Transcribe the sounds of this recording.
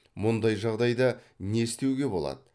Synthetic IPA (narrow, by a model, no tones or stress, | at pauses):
mʊnd̪ɑjʒɑʁd̪ɑjd̪ə | ne̞st̪e̞wɡʲe̞bo̞̰lˠɑ̰d̪ə